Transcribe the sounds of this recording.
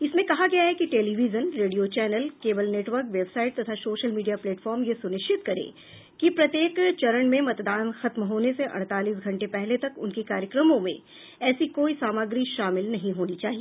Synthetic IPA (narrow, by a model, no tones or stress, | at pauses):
ɪsmẽkɐɦaɡɐjaɦɛkiʈeːliːʋid͡ʒənɾeːɖijot͡ʃɛːnəlkeːbəlneːʈʋəɾkʋeːbsaːɪʈ̚t̪ɐt̪ʰasoːʃəlmiːɖijapleːʈfɔːɾmjesʊnɪʃt͡ʃɪt̪kɐɾḛ̃ː | kipɾɐt̪jeːkt͡ʃɐɾəɳmẽmɐt̪d̪aːnxɐt̪mɦoːneseʔɐ̰̃ɽ̃t̪aːliːs̬ɡʱɐ̃ɳʈepɛɦlet̪ɐkʊnkikaːɾjəkɾəmõmḛ̃ | ɛːsikoːisaːməɡɾiʃaːmɪlnɐɦĩɦoːnit͡ʃaːɦieː